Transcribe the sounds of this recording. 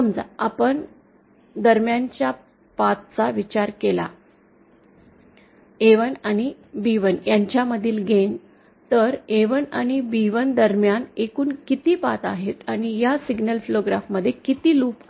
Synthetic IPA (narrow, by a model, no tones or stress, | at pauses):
əmd͡za̰apəɳ | d̪əɾmjaɲt͡ɕja | pat̪t͡saʋit͡ɕaɾkela̰ | eʋənaɽ̃i | biʋənjaɲt͡ɕjaməd̪ʱiːlɡʱen | t̪əɾeʋənaɽ̃ibiʋənd̪əɾmjanekuːnkit̪iːpat̪aɦet̪aɽ̃ijasiɡnəlfiloɡɾafməd̪ʱːjekit̪iːluːp